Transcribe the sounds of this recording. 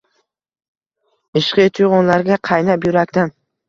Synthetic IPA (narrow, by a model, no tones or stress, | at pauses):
ɪʃqɨt̪ʰʊjʁɒnlaɾɡʲaqʰɑjnapjʊɾakʲt̪an